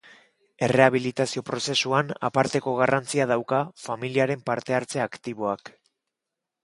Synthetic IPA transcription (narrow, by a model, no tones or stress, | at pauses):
e̞re̞aβ̞ilit̪asio̞pɾo̞se̞suana̰paɾt̪e̞ko̞ɣ̞arant͡siað̞awkafamiliaɾe̞mpaɾt̪e̞aɾt͡se̞akt̪iβo̞ak